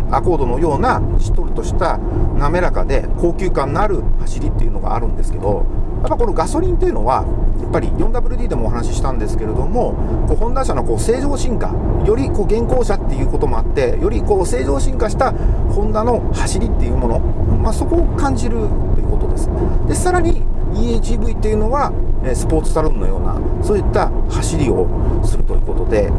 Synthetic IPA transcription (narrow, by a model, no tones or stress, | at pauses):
ako̞ːd̪o̞no̞jo̞ːnaɕi̥t̪o̞ɾɯ̟t̪o̞ɕi̥t̪a | name̞ɾakad̪e̞̰ko̞ːkʲɨ̟ːkãnːaɾɯ̟haɕiɾʲit̪ːe̞iɯ̟no̞ɡa̰ːɾɯ̟̃nd̪e̞sɨ̥ke̞d̪o̞̰japːaiko̞no̞ɡaso̞ɾʲĩnt̪e̞jiɯ̟no̞βa̰japːaɾʲḭjõ̞nd̪abɯɾʲɯ̟d̪ʲiːd̪e̞mo̞ːɦhanaɕiɕi̥t̪ãnd̪e̞sɨ̥ke̞ɾe̞d̪o̞mo̞ | ko̞ːhõ̞nd̪ãɰ̃ɕanoko̞ːse̞ːʑo̞ːɕĩŋka̰ | jo̞ɾʲiko̞ːɡẽ̞ŋko̞ːɕat̪ːe̞jɯ̟ːko̞t̪o̞mo̞at̪ːe̞jo̞ɾʲiko̞ːse̞ːʑo̞ːɕĩŋkaɕi̥t̪ahõ̞nd̪ano̞ | haɕiɾʲit̪ːe̞jɯ̟ːmo̞no̞maso̞ko̞ːkãɲ̟d͡ʑiɾɯ̟ | t̪ːo̰jɯ̟ːko̞t̪o̞d̪e̞sɨ̥ | d̪e̞saɾaɲ̟i | iːt͡ɕiːbɯ̟it̪ːe̞jɯ̟no̞βa | esɨ̥po̞ːt͡sɨ̥saɾɯ̃nno̞̰jo̞̰ːna̰ | so̞ːit̪ːahaɕiɾʲio̞̰ | sɨɾɯ̟t̪o̞̰jɯ̟̰ːko̞t̪od̪e̞